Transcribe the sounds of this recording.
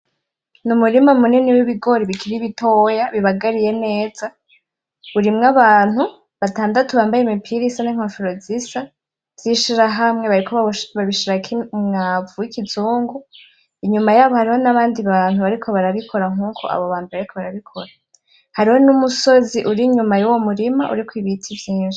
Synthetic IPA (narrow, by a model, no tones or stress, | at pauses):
numuɾimamuniniwiβiɡo̞ɾiβikʰiɾiβitoːjaβiβaɡaɾije̞ne̞ːza | uɾimŋaβaːn̥hu | βataːndatuβaːmbajemipʰiɾisaniŋ̥afiɾozisa | vz̥iʃiɾaɦamŋe̞βaɾikʰo̞ββaβiʃiɾakʰiŋavuikʰizuːŋɡu | iɲumajaːβohaɾiho̞naβaːndiβaːn̥uβaɾikʰo̞βaɾaβikʰo̞ɾaŋuːkʰo̞̰a̰βoβaːnduβaɾikʰo̞βaɾaβikʰo̞ɾa | haɾiho̞numuso̞ziʔuɾiɲumajuwomuɾimaʔṵɾikwiβitʰivjiːʃi̥